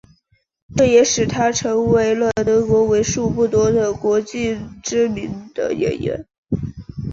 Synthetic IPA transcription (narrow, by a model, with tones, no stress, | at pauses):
ʈ͡ʂɤ˥˩jɛ˨˥ʂɻ̩˨˩t̪ʰa˥ʈ͡ʂʰɤ˧˥ŋwe˧˥ɪlə˧˩t̪ɤ˧˥kwɔ˧˥we˧˥ɪʂu˥˧pu˥˩t̪wɔ˥d̪ə˨kwɔ˧˥t͡ɕi˥˩ʈ͡ʂɻ̩˥mi˧˥nd̪̥ə̰˧ɥɛ̰˧˨˥njɥɛ̰˧˥n